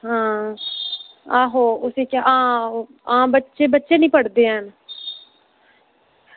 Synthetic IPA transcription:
ɦãː | aːɦoːʊseːkjaːʔãː | ãːbətːʃeːbətːʃeːnĩːpəɽd̪eːɦən

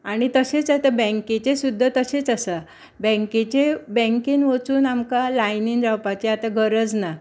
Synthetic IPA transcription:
aɽ̃it̪əɕet͡sat̪abɛ̃ŋket͡ɕesud̪ʱːət̪əɕet͡sasa | bɛ̃ŋket͡ɕebɛ̃ŋkinʋət͡suːnamkalajnind͡zawpat͡ɕeat̪aɡʱəɾəd͡zna

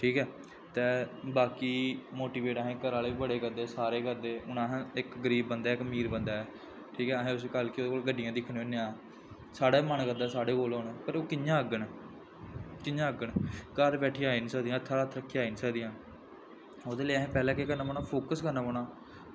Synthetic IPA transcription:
ʈʰiːkɛː | t̪ɛːbaːkiːmoːʈiːʋeːʈaːɦẽːkəɾaːleːiːbəɽeːkəɾd̪eːsaːɾeːkəɾd̪eːʊnaːɦːɪkɡəɾiːbːənd̪aːkmiːɾbənd̪aːɛː | ʈʰiːkɛːɦẽːʊskəlkɪoːdeːkoːlɡəɖɪjãːd̪ɪkʰːnːõnːejãː | saːɽaːmənkəɾd̪ɛːsaːɽeːkoːloːnɛːpəɾoːkɪjãːəɡənː | kɪjãːəɡənkəɾbɛːʈʰːiːaːiːnĩːsəkd̪ijãːt̪ʰːaət̪ʰːɾəkʰːeaːiːnisəkd̪ijãː | oːd̪eːleaːɦẽːpɛːlãːkekəɾnaːpoːñaːpʰoːkəskəɾnaːpoːnaː

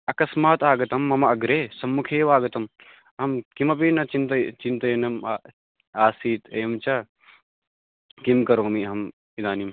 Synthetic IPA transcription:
ɐkɐsmaːt̪aːɡɐt̪ɐmːɐmɐɐɡɾeːsɐmːukʰeːʋaːɡɐt̪ɐm | ɦɐmkimɐp̬inɐt͡ʃint̪ɐt͡ʃint̪ɐnɐmː | aːsiːt̪eːmt͡ʃɐ | kimkɐɾoːmiɦɐm | id̪aːnim

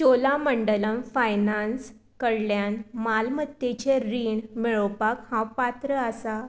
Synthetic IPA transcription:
t͡ɕolaməɳɖələnfajnans | kəɽljanmalmət̪ːet͡ɕeɾiːɳmeɭəwpakhãwpat̪ɾəəsa

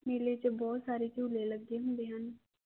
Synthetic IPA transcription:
meːleːt͡ʃbɔːt̪saːɾeːt͡ʃuːleːləɡːeːɦʊ̃nd̪eːɦən

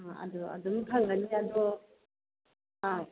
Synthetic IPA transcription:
aa̰dɔa̰dɔmkʰaŋɡaniad̪ɔ | a

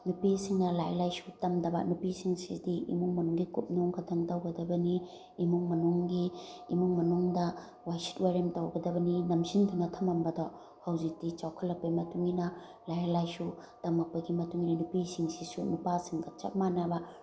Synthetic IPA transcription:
nupisiŋnɐlajlajsutɐmdɐbɐ̰nupisiŋsḭdiḭmuŋmɐnuŋɡikup̚noŋkɐtʰɐŋtawɡɐdɐbɐniː | muŋmɐnuŋɡiːmuŋmɐnuŋdɐ | wajsi̥t̚waɾemtawɡɐdɐbɐninɐmsindunɐtʰɐmɐmbɐdɔ | hawzik̚tit͡ʃawkʰɐlːɐpːɐjmɐtuŋinɐ | lajlajsutɐmɐk̚pɐɡimɐtuŋinɐnupisiŋsisunupasiŋɡɐt͡ʃɐ̰k̚manabɐ

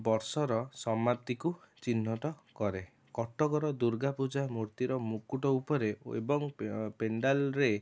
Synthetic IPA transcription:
bɔɾsɔɾɔsɔmat̪iku | t͡ʃinːɔt̪ɔkɔɾe | kɔʈɔɡɔɾɔd̪uɾɡapud͡ʒamuɾt̪iɾɔmukuʈɔupɔɾeḛbɔŋpeɳɖalɾe

